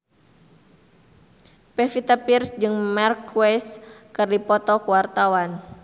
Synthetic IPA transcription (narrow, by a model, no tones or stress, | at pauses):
pɛfit̪apirsd͡ʒɨŋmarkuwɛskɨrdipɔt̪ɔkuwart̪awan